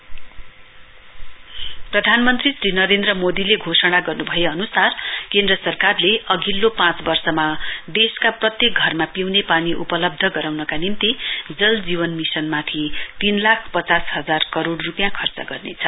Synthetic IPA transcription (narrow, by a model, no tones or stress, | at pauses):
prʌd̪ʱanmʌnt̪risrinʌɾend̪rʌmod̪ileɡʱosʌɽ̃aɡʌrnubʱʌjeʌnusarkend̪rʌsʌrkarleʌɡʱilːopãt͡sbʌrsʌmad̪eskaprʌt̪jek̚ɡʱʌrmapiwnepaniʔṵpʌlʌb̚d̪ʱʌɡʌɾawnʌkanimt̪id͡zʌld͡ziβʌnmisʌnmat̪ʰit̪inlakʰpʌt͡sasɦʌd͡zarkʌɾoɽrupjãkʰʌrt͡sʌ̰ɡʌrnet͡sʰʌ